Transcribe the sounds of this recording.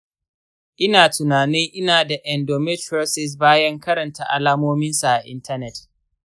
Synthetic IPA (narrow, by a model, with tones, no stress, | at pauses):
ʔɪ˦naː˨tʊ˨naː˨nɪ˦ŋʔɪ˦naː˨da˨ʔɛ˨ndoː˨mɛ˦tɐ˦sɪ˨s̬baː˦jɐ˦ŋkɐ˦ɾɐ˨nta˨ʔa̰˨laː˦moː˦mɪ˦nsa˨ʔa˨ʔɪ̰˦ntʰɐ˦nɛ˨t